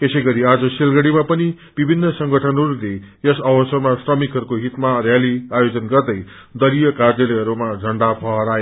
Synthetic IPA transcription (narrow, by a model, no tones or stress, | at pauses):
t̪esʌjɡʌɾiad͡zʌsilɡʌɽimapʌni | b̥ibʱinːʌsʌŋɡʌʈʰʌnɦʌɾule | jʌsʌbʌsʌmasrʌmikɦʌɾukoɦit̪marjaliajod͡zʌnɡʌrd̪ʌj | d̪ʌɾijʌkadjʌleɦʌɾumad͡zʱʌɳɖapʰʌɦʌɾae